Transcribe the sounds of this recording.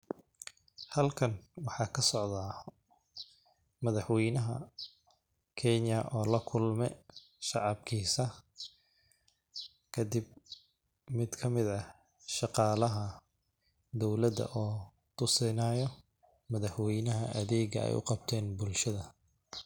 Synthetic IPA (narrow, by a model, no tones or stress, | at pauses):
hɐlkʰɐnwɑħɑːkʰɐsɔʕðaː | mɐðɑħwɛjnɐɦɐ̰ | kʰɛɲjɐʔɔːlɐkʰʊlmɛ | ʃɑʕɑb̚kʰiːsɐ | kʰɐd̪ɪb̚ | mɪd̪kʰɐmɪðɐ | ʃɑqɑːlɐɦɐ | d̪ɔwlɐd̪ɐ̰ʔɔː | t̪ʰʊsɛnaːjɔ | mɐðɑħwɛjnɐɦɐʔɐðɛːɡɐ̰ɛ̰jʊ̰qɑbt̪ʰɛːnbʊlʃɐðɐ